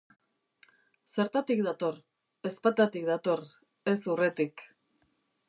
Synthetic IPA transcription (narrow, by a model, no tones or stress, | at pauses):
se̞ɾt̪at̪ik̚d̪at̪o̞ɾ | e̞spat̪at̪ik̚d̪at̪o̞r | e̞suret̪ik